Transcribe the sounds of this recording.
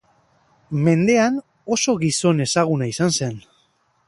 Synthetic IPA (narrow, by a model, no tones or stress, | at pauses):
me̞nd̪e̞an | o̞so̞ɣiso̞ne̞saɣ̞unaisanse̞n